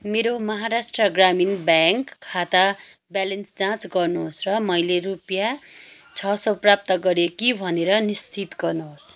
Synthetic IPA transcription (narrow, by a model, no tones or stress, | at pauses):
meɾomʌɦaɾasʈrʌɡraminbaŋkʰːat̪a | bjalensd͡zãt͡sɡʌrnuɦosrʌmʌjlerupja | t͡sʰʌsʌprap̚t̪ʌɡʌɾekibʱʌneɾʌnist͡sit̪ɡʌrnuɦos